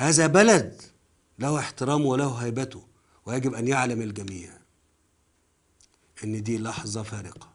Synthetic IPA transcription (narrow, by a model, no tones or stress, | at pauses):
hæːzæbælæd̪ | læhueħt̪ɪɾæːmwelæhʊɦæjbæt̪ʊ | wejæɡɪbʔænjaʕlæmɪlɡæmiːʕ | ʔenːd̪iːlɑħzˤɑfæːɾɪqɑ̥